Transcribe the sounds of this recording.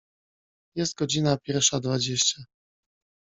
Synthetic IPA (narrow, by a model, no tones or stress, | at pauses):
jɛst̪̚ɡɔd͡ʑinapʲjɛɾfʂad̪vad͡ʑeɕt͡ɕa